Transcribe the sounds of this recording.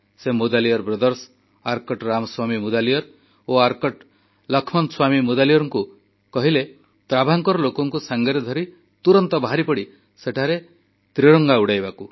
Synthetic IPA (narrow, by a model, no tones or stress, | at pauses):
semud̪alijɔɾbɾed̪ɔɾs | aɾkɔʈɾamɔswamimud̪alijɔɾ | oaɾkɔʈ | lɔkʰmɔnswamimud̪alijɔɾɔŋku | kɔɦile | t̪ɾabʱaŋkɔɾɔlokɔŋkusaŋɡɔɾed̪ʱɔɾi | t̪uɾɔnt̪ɔbaɦaɾipɔɽi | seʈʰaɾe | t̪ɾiɽɔŋɡauɽajbaku